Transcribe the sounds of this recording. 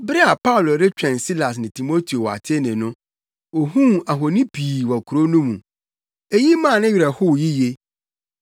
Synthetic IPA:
bɾɛ˦a˨pa˦ʊ˨lo˨ɾɪ˦t͡ɕᶣɛ̃˨nsi˦la˨s̬nɪ̃˨tʰi˨mo˦tʰi˨o˨wa̰˨tʰɪ˦nɪ̃˨nʊ̃˦ | o˨hũ˦a˨ɦo˨nĩ˦pʰiː˨wɔ˨kʰu˨ɾo˦nʊ̃˦mũ˨ | e˦ji˦mã˦˨nɪ̃˦ɥi˨ɾa˨hʊ˦˨ji˦je˦

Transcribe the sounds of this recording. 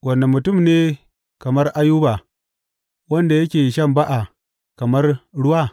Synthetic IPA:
wɐ˨nːa˨mːu˨tu˦˨mne˦ | kɐ˨mɐ˦rʔa˦juː˦ba˨ | wɐ˦nda˨jɐ˦kʲeː˨ʃɐ˦˨mba˦ʔa˨ | kɐ˨mɐ˦rɽʊ˦wa˦˨

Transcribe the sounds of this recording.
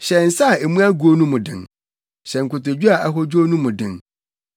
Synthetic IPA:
ɕɛ̃˨n̩˨sa˦a˨e˨mũ˦a˦ɡu˨o˦nũ˦mʊ̃˨dɪ̰̃˨n | ɕɛ̃˨ŋ̩˨kʊ˨tʊ˨d͡ʑᶣu˦a˨ʔa˨ɦɔ˦d͡ʑu˦o˦nũ˦mʊ̃˨dɪ̰̃˨n

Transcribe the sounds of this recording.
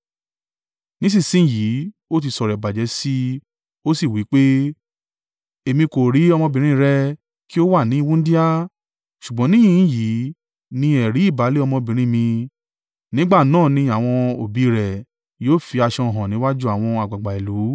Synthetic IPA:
nĩ˦s̬ĩ˦˨sĩ˨˦˨jiː˨˦ | o˦t̬i˧sɔ˨ɾɛ˨ba˨d͡ʒɛ˨˧˦si˦ | o˦si˦˨wi˨˦k͡pe˦ | e˨mĩ˧ko˨ɾi˨˦ɔ˧mɔ̃˧bĩ˨ɾ̃ĩ˦˧ɾɛ˧ | ki˦o˦wa˦˨nĩ˨˦˧wũ˦n̩˦di˦a˦ | ʃu˨ɡ͡bɔ̃˨˦nĩ˦ĩ˦˨˦ji˨˦ | nĩ˧ɛ˨ɾi˨˦i˦˨ba˨˦le˦ɔ˧mɔ̃˧bĩ˨ɾ̃ĩ˦mĩ˧ | nĩ˦ɡ͡ba˦˨nãː˦˨nĩ˧a˨w̃ɔ̃˧o˨bi˨˦ɾɛ˨ | joː˦˨fi˧a˧ʃɔ̃˧˨ɦã˨nĩ˨˦wa˦d͡ʒu˦a˦˨w̃ɔ̃˧a˨ɡ͡ba˨ɡ͡ba˨i˨lu˨˦

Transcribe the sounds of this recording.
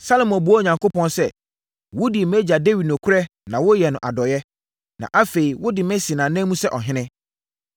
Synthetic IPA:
sa˦lo˨mɔ̃˨bu˨˦ɔ˦˨ɲã˨ŋko˦pɔ̃˦nsɛ˦ | wʊ˦di˨mɛ˦d͡ʑa˨de˦wɥi˨dnɔ̃˨kʰʊ˦ɾɛ˦ | nã˨wʊ˦jɛ˨nʊ̃˨ʔa˨dɔ˨jɛ˦ | nã̰˨ʔa˦fe˨i˨wʊ˦dɪ˨mɛ̃˦si˨nãː˨nɛ̃˦mũ˦sɛ˦ʔɔ˨ɦɪ̃˦nɪ̃˦

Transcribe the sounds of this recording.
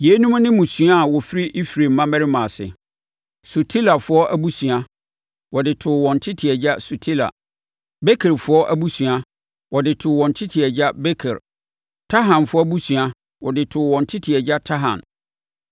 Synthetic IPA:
je˨˦nũ˦m˦nɪ̃˦mũ˨sɥa˦˨wɔ˨fi˦ɾi˦ʔi˦fɾe˨m̩˦mã˦mɛ˦ɾɪ˦mã˨sɪ̰˨ | su˨tʰi˦la˨fʊ˦ɔ˦ʔæ˦bu˦sɥa˦ | wɔ˨dɪ˨tʰʊ˨wɔ̃˨n̩˨tʰɪ˦tʰɪ˨ɛ˨d͡ʑa˦su˨tʰi˦la̰˨ | be˦kʰɛ˨ɾfʊ˦ɔ˦ʔæ˦bu˦sɥa˦ | wɔ˨dɪ˨tʰʊ˨wɔ̃˨n̩˨tʰɪ˦tʰɪ˨ɛ˨d͡ʑa˦be˦kʰɛ˨ɾ | tʰa˦ɦã˨nfʊ˦ɔ˦bu˦sɥa˦ | wɔ˨dɪ˨tʰʊ˨wɔ̃˨ntʰɪ˦tʰɪ˨ɛ˨d͡ʑa˦tʰa˦ɦã̰˨n

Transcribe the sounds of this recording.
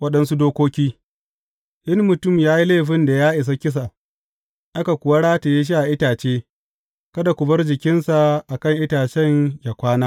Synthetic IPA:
wɐ˦ɗɐ˦nsu˦doː˦kʷoː˦kʲiː˦ | ʔɪ˦nmʊ˨tʊ˦˨mjaː˦ji˦leː˦˨ɸɪ˦nda˨jaː˦ʔɪ˨s̬a˦kʲɪ˦s̬a˨ | ʔa˦ka˨kʷʊ˨wa˦ɽaː˦te˨je˦ʃ̬i˦ʔa˨ʔɪ˦taː˨t͡ʃeː˦ | kɐ˦da˨kʷʊ˨bɐ˦rd͡ʒɪ˨kʲɪ˦nsa˨ʔa˨kɐ˦ŋʔɪ˦taː˨t͡ʃɛ˦ɲja˨kʷaː˦naː˦

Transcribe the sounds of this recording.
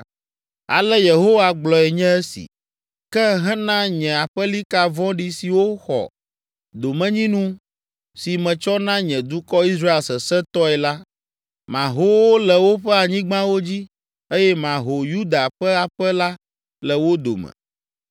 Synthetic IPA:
a̰˨lɛ˦je˨ɦo˦wa˦ɡ͡blɔ˨ɛ˨ɲɛ̃˦ɛ˦sḭ˨ | kɛ˦ɦɛ̃˦nã˦ɲɛ̃˨a˨ɸɛ˦li˦ka˨vɔ̃˦ɖi˨si˨wo˦xɔ̰˨ | d̪o˨mɛ̃˨ɲĩ˦nũ˦ | si˨mɛ̃˨t͡ʃɔ˦nã˦ɲɛ̃˨d̪u˦kɔ˦i˦sɾa˦e˨lsɛ˨sɛ˦t̪ɔ˦ɛ˨la˦ | mã̰˨ɦo˦wo˦lɛ˨wo˦ɸɛ˦a˨ɲĩ˦ɡ͡bã˦wo˦d͡ʑi˦ | e˦jɛ˦mã˨ɦo˨ju˦d̪a˨ɸɛ˦a˨ɸɛ˦la˦ | lɛ˨wo˦d̪o̰˨mɛ̰̃˨

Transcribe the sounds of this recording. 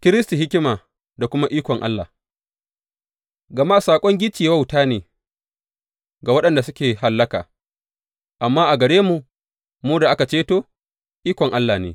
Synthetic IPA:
kʲɪ˦ɾɪ˦sti˨ɦɪ˦kʲɪ˦maː˨ | da˨kʷʊ˦ma˦ʔiː˦kʷɔ˨ŋʔa̰˦lːa̰˨ | ɡɐ˨ma˦ʔa˨saː˨kʷʼɔ˦ŋɡʲɪ˦t͡ʃi˨ja˦wa˦wtaː˦neː˨ | ɡa˨wɐ˦ɗɐ˨nda˨sʊ˦kʲeː˨ha˨lːɐ˦ka̰ː˨ | ʔa˨mːaː˦ʔa˨ɡɐ˨ɽeː˦mu˨ʔ | muː˦da˨ʔa˦ka˨t͡ʃeː˦toː˦ | ʔiː˦kʷɔ˨ŋʔa˦lːaː˨nḛː˨

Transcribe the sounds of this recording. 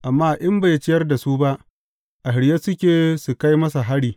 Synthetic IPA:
ʔa˨mːaː˦ʔɪ˦mba˨jt͡ʃɪ˦jɐ˦rda˨su˦ba˦ʔ | ʔa˨ɦɪ˨ɽje˦sʊ˦kʲeː˨su˨ka˦jmɐ˦s̬a˨ɦa˦ɽiː˨

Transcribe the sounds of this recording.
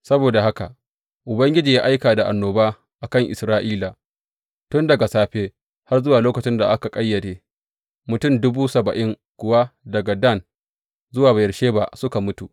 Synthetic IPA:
sɐ˦boː˨da˨ha˦ka̰˨ | ʔʊ˨bɐ˦ŋɡʲɪ˦d͡ʒiː˨jaː˦ʔa˦jkaː˨da˨ʔa˨nːoː˨baː˦ | ʔa˨kɐ˦ŋʔɪ˨sɾaː˦ʔiː˦la˨ | tʊ˦ndɐ˨ɡa˨saː˦ɸeː˦ | ha˦rzʊ˦waː˨loː˦kɐ˨t͡ʃɪ˦nda˨ʔa˦ka˨kʼɐ˦jːɐ˨ɽeː˦ | mʊ˨tʊ˦˨mdʊ˦buː˦sɐ˨bɐ˨ʔɪ˦ŋ | kʷʊ˨wa˦dɐ˨ɡa˨dɐ˦˨n | zʊ˦waː˨ba˨jɐ˨ɽʃeː˦ba̰˦sʊ˦ka˨mʊ˦tu˨

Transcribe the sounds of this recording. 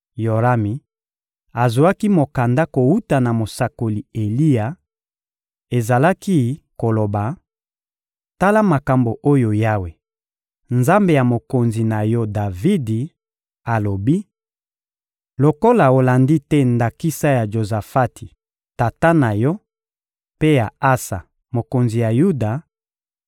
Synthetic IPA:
jo˨ʁa˦mi˨ | a˨zo˨a˦ki˦mo˨ka˨nda˦ko˨wu˦ta˨na˨mo˨sa˨ko˨li˨e˨li˦ja˨ | e˨za˨la˦ki˦ko˨lo˨ba˨ | ta˦la˦ma˨ka˨mbo˨ʔo˦jo˨ja˦we˨ | nza˦mbe˨ja˨mo˨ko˨nzi˨na˨jɔ˦da˨vi˦di˨ | a˨lo˨bi˦ | lo˨ko˦la˨o˨la˨ndi˦tɛ˦nda˨ki˦sa˦ja˨ʒo˨za˨fa˦ti˨ | ta˨ta˦na˨jɔ˦ | pe˦ja˨a˦sa˨ | mo˨ko˨nzi˨ja˨ju˦da˨

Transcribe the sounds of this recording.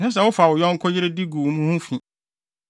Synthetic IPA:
sɛ̃˦s̬ɛ˨wʊ˦fa˨wʊ˨jɔ̃˦ŋ̩˦kʰɔ˦jɪ˦ɾe˦di˦ɡu˨mũ˦hũ˦fĩ˨

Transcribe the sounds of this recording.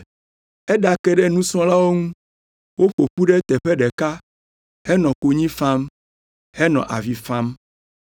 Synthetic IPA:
ɛ˦ɖa˨kɛ˦ɖɛ˦nũ˦sɔ̃˦la˦wo˦ŋũ˦ | wo˦ɸo˨ɸu˦ɖɛ˦t̪ɛ˨ɸɛ˦ɖɛ˨ka˦ | hɛ˦nɔ̃˨ko˨ɲĩ˦fã˦m | hɛ˦nɔ̃˨ʔa̰˨vi˨fã˦m

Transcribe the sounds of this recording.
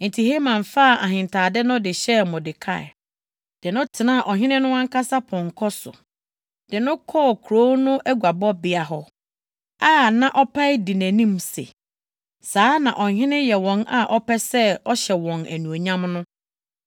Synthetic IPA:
n̩˨tʰi˨he˦mã˨ɱfaː˦˨ʔa˨ɦɪ̃˨ntʰaː˨dɛ˦nʊ̃˦dɪ˨ɕɛ˦mʊ̃˨dɪ˨kʰa̰˦˨ɛ̰˨ | d̥ɪ˨nʊ̃˦tʰɪ˨nã˦˨ʔɔ˨ɦɪ̃˦nɪ̃˦nʊ̃˦ã˦ŋ˦kʰa˦sa˦pʰɔ̃˨ŋ˨kʰɔ˦sʊ̰˨ | d̥ɪ˨nʊ̃˦kʰɔ˦˨kʰu˨ɾo˦nʊ̃˦ʔæ˦ɡu˨a˨bɔ˦bɪ˨a˨ɦɔ˦ | a˦˨nã˨ʔɔ˦pʰa˦ɪ˦di˨næ̃˨nĩ˦msḛ˨ | saː˦nã̰˨ʔɔ˨hɪ̃˦nɪ̃˦jɛ˨wɔ̃˨na˨ʔɔ˦pɛ˦sɛ˦ɔ˦ɕɛ˨wɔ̃˨næ˨nũ˨o˨ɲã˦mnʊ̃˦

